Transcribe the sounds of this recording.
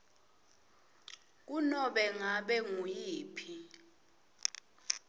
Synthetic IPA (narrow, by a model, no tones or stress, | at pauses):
k̬unɔɓɛŋaɓɛŋujiːpʰi